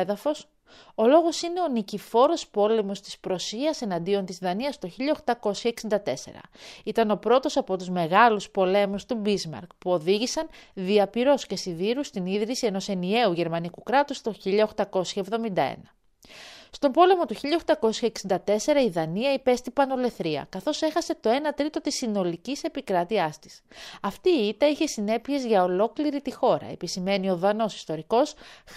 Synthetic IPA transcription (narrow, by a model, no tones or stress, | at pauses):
ðɐfo̞s | o̞lo̞ɣo̞sine̞o̞nicifo̞ɾo̞spo̞le̞mo̞st̪i̥spɾo̞siɐse̞nɐnd̪io̞nt̪izðɐniɐst̪oçiʎɐoxt̪ɐko̞sçɐeksind̪ɐt̪e̞se̞̰ɾɐ̰it̪ɐno̞pɾo̞t̪o̞sɐpo̞t̪uzme̞ɣɐluspo̞le̞must̪ubizmɐ̰ɾkpuo̞ðiʝisɐnðiɐpiɾo̞sce̞siðiɾust̪iniðɾisie̞no̞se̞nie̞uʝe̞ɾmɐnikukɾɐt̪ust̪oçiʎɐoxt̪ɐko̞sçɐevðo̞mind̪ɐḛnɐ | st̪o̞mbo̞le̞mo̞t̪uçiʎɐoxt̪ɐko̞sçɐeksind̪ɐt̪e̞se̞ɾɐiðɐniɐipest̪ibɐno̞le̞θɾiɐ̰kɐθo̞se̞xɐset̪o̞e̞nɐt̪ɾit̪o̞t̪isino̞licise̞pikɾɐt̪iɐst̪i̥sɐft̪iːit̪ɐiçe̞sine̞pie̞zʝɐo̞lo̞kliɾit̪ixo̞ɾɐ̰e̞̰pisime̞nio̞ðɐno̞si̥st̪o̞ɾiko̞s